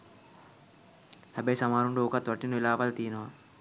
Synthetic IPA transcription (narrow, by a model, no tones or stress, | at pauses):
hɐbeːsɐmaːɾuɳɖuokɐt̪ʋɐʈːinuilaːʋɐlt̪iːnua